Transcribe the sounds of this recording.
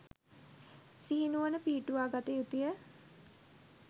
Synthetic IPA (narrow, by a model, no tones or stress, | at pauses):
siɦinuʋənəpiːʈuʋaːɡat̪ejut̪ijə